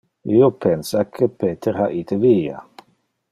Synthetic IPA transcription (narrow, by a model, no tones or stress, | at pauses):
iopʰɛnsakʰəpʰeːt̪ʰəɾhaːʔiːt̪ʰəviːa̰